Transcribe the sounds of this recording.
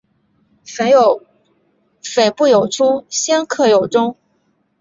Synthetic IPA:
fe˧˥ɪjo˧˩˦ʊ | fe˨˩ɪpu˥˩jo˨˩ʊʈ͡ʂʰu˥ɕjɛ˥nkʰɤ˥˩jo˨˩ʊʈ͡ʂʊ˥ŋ

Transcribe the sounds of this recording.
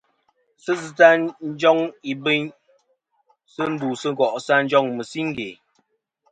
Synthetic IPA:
sə˦zɨ˦ta˦n̩˦d͡ʒɔ˦ŋi˨be˦ɲ | sə˦n̩˦duː˨sə˦ɣɔ˨ʔsa˦n̩˦d͡ʒɔ˦ŋmə˨si˦ŋ˦ɡḛ˨

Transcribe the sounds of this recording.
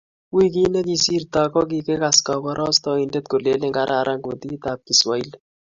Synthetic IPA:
wi˦k̬i˦ne˦ki˨si˦rt̪a˨kɔ˦k̬i˨ke˦ka˨ska˨kɔ˦ɾɔ˦st̪ɔ˨i˨nde˦t̪̚ko˨le˦le˦ŋɡa˦ɾʔa˨ɾʔa˦ŋɡo˨t̪i˦t̪a˨p̚ki˨swa˨i˦l

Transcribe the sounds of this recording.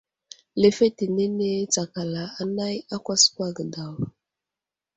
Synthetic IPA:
le˨fe˦ti˨ne˦ne˦t͡sa˨ka˨la˨a˨na˦ja˦kʷa˦skwa˦ɡə˨da˨w

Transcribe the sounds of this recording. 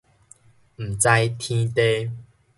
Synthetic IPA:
m̩˨˩t͡sa˧jt̪ʰĩ˦t̪e˦

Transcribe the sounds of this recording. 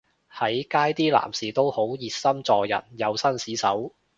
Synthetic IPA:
hɐ˨˥jkaː˥jt̪iː˥la̰ː˨˩msiː˨˩t̪o˥who˨˥wjiː˨˧t̚sɐ˥mt͡sɔː˧jɐ̰˨˩njɐ˨˧wsɐ˥nsiː˨˥sɐ˨˥w

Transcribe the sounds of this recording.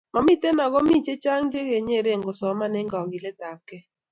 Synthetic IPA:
mɔ˨mi˦te˦nɔ˨ɡɔ˦mi˦t͡ʃe˦t͡ʃa˦ŋd͡ʒe˦ɡe˨ɲe˦˨ɾe˦˨ŋɡo˨sɔ˨˦ma˦nɛ˦ŋɡa˨ɡɪ˨le˦ta˨kɛ˦

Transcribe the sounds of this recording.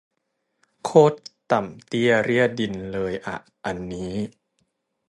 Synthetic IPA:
kʰoː˥˩t̪ːa˨˩mt̪i˥˩əɾi˥˩ət̪̚di˧nlɤː˧jʔa̰˨˩ʔ | ʔa˧nːiː˦˥

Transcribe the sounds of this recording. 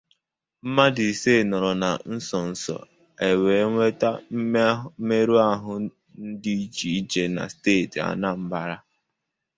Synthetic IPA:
m̩˦ma˦dɪ˨se˦˨nɔ˨ɾɔ˨na˨n̩˦sɔ˨n̩˨sɔ̰˨ | e˨we˨˦ŋʷe˦ta˦me˦ɾu˦a˦ɦʊ˦ | n̩˦di˦i˦t͡ʃi˨i˦d͡ʒe˦na̰˨steː˦˨ta̰˨na˦m̩˦ba˦˨ɾa˦

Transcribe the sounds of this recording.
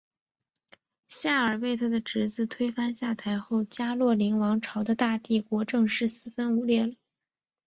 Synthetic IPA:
ɕja˥˩ə˞˨˩pe˥˩ɪt̪ʰa˥d̪ə˨ʈ͡ʂɻ̩˧˥t͡sɹ̩˥˩t̪ʰwe˥ɪfa˥nɕja˥˩t̪ʰa˧˥ɪxo˥˩ʊt͡ɕja˥lwɔ˥˩li˧˥ŋwɑ˧˥ŋʈ͡ʂʰɑ˧˥ʊd̪ə˧t̪a˥˧t̪i˥˩kwɔ˧˥ʈ͡ʂɤ˥˧ŋʂɻ̩˥˩sɹ̩˥˩fə˥nu˧˥ljɛ˥˩lə˩˦

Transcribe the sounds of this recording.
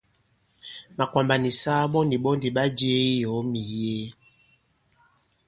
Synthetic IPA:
ma˨kwa˨mba˨ni˨sa˦ɓɔ˦ndi˨ɓɔ˦ndi˨ɓa˦d͡ʒe˦i˦jɔ˨˦mi˨je˦

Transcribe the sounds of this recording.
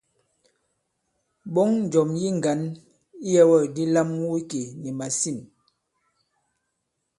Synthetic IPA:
ɓɔ˦ŋn˨d͡ʒɔ˨mji˦ŋ˨ɡa˨˦n | i˦jɛ˦wɔ˦˨di˦la˦mwu˦i˦ke˨ni˨ma˨si˦˨n

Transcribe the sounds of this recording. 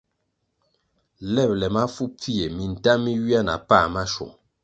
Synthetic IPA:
lɛ˦˨p̚lɛ˨ma˦fu˦p͡fi˦e˨mi˨n̩˨ta˦mi˦wi˦a˦na̰˨pa˦˨ma˦ʃṵ˨ŋ

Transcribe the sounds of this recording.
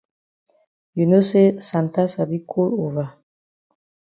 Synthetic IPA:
ju˨no˦se˦sa˨nta˦sa˨bi˦kʰo˦lo˨va˨

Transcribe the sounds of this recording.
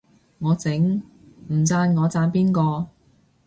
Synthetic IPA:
ŋɔː˨˧t͡sɪ˨˥ŋ | m̩˨˩t͡saː˧nŋɔː˨˧t͡saː˧npiː˥nkɔː˧

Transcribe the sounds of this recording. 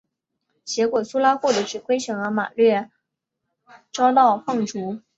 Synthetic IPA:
t͡ɕjɛ˧˥kwɔ˨˩su˥la˥xwɔ˥˩d̪ə˨˥˩ʈ͡ʂɻ̩˥˩kwe˥ɪɕɤ˧˥ŋə˧˥ma̰˨˩lɥɛ˥˩ | ʈ͡ʂɑ˥ʊt̪̬ɑ˥˧ʊfɑ˥˩ŋʈ͡ʂu˧˥

